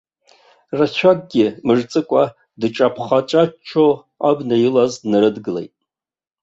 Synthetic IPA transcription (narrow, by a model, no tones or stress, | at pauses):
rat͡ɕʷʰaɡ̚ɡʲɪmɨʐt͡sʼɨkʷʼa | dʈ͡ʂʼapʰχat͡ʃʼat͡ʃʰo | abnajilaznɨɾɨdɡɨlḛjtʼ